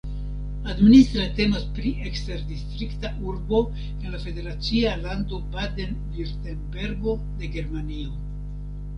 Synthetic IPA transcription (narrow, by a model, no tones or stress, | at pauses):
administ̪ɾate̞mospɾiʔekste̞ɾdistɾiktaʔuɾbo̞ | e̞nlafe̞de̞ɾat͡sialando̞bade̞nviɾtenbe̞ɾɡo̞ | de̞ɡe̞ɾmanio